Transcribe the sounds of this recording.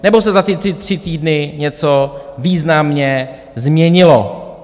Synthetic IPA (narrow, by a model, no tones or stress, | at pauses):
nɛbo̞sɛzat̪ɪt̪r̥ɪt̪r̝̥ɪt̪iːdnɪɲɛt͡soviːznamɲɛ | zmɲɛɲɪlo